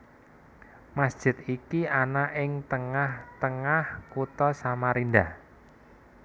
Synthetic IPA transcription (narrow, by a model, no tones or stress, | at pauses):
masd̥ʒ̥ɪ̤t̪̚ikianaʔɪŋt̪əŋaht̪əŋahkut̪ɔsamaɾindah